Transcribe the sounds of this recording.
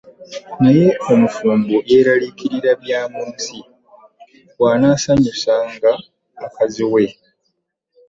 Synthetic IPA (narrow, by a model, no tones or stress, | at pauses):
naje̞o̞mufuːmbuʔe̞ɾalikiɾiɾaβjaːmuːnsi | waːnaːsaɲusaŋɡaː | kaziwe̞